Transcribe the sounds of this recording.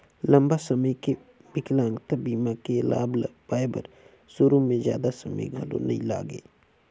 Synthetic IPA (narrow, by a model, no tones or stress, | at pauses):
lɐ̃mbasɐməjke | bɪklãːŋɡt̪abiːmakela̰ːblbaːjbə̰ɾ | sʊɾumẽzja̰ːd̪asɐmə̰jɡʱɐɽo̰nɐḭ̃la̰ːɡḛː